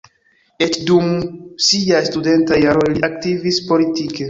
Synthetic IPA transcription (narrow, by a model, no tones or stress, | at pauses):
et͡ʃdumsiajstude̞ntajaɾo̞jliʔak̚tivispo̞litike̞